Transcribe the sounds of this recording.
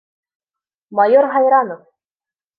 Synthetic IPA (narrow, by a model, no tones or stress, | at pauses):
majoɾɦɑjɾɑnof